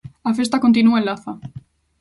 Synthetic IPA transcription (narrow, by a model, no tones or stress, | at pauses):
afest̪akont̪inuaelaθa